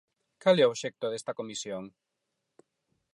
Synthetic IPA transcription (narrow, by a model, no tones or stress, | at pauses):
kalɛoʃɛk̚t̪oðest̪akomisjoŋ